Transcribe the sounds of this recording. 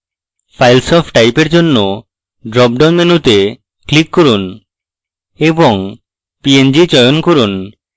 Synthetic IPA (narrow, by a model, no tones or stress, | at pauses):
pʰajlsɔpʰʈajpeɾd͡ʒonːo | ɖɾɔp̚ɖanmenut̪e | klikːɔɾun | ebɔŋ | piend͡ʑit͡ʃɔjonkɔɾun